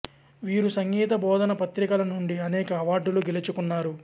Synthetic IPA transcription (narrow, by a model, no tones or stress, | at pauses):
ʋiːɾusɐŋɡiːt̪ɐbɔːd̪ɐnɐpɐt̪ɾikɐlɐnuɳɖiɐnɛːkɐːʋaːɖːuluɡelit͡ʃukunːaːɾu